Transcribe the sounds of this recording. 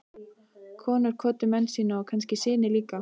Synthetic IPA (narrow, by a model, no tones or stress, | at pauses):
kʰɔːnʏɾ̥kʰɔːt̪ʏmɛnsiːnaɔɣkʰanscɪsɪːnɪliːka